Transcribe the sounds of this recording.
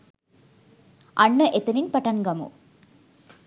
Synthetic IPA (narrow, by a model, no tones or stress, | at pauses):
ʔɐɳːɐʔet̪ːɐninpɐʈːɐnɡɐmṵ